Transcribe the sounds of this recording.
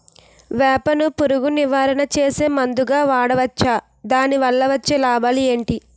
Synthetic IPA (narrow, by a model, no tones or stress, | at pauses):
ʋɛːpɐnupuɾuɡuniʋaːɾɐɳɐt͡ʃeːse̞ːmɐnd̪uɡaːʋaːɽɐʋɐt͡ʃːaː | d̪aːniʋɐlːɐʋɐt͡ʃːeːlaːbaːlie̞ːɳʈi